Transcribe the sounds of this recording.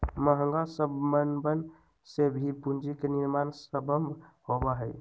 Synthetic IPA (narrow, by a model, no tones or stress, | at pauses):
məɦəŋɡasəbmənbən | sebʱipund͡ʒikeniɾmansəbəmbʱhobaɦəj